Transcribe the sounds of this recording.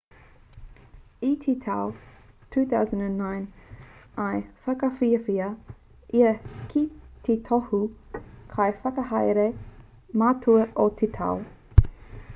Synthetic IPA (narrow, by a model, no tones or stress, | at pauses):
itʰit̪ʰaltʰuːθawzə̃ndə̃nːãɪ̃n | ajfakafiəfiə | ʔiəkʰit̪ʰitʰɔhukʰajfakəhajɾe | matʰuəʔot̪ʰitʰa̰w